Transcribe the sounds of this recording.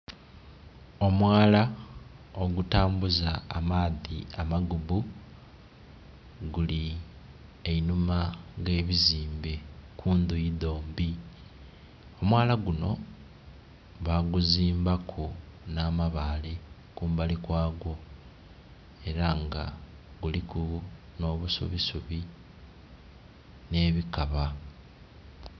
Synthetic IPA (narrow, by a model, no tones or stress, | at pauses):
o̞mwaːla | o̞ɡutaːmbuza̰ːmaːðiamaɡuβu | ɡuli | einumaɡe̞ːβiziːmbekʰuːnd̪ujiðo̞ːmbi | o̞mwaːlaɡuno̞ | βaɡuziːmbakʰonaːmaβale | kuːmbalikwaːɡo̞ | e̞ɾaŋɡa̰ | ɡulikuno̞ːβusṵβisuβi | ne̞ːβikaβa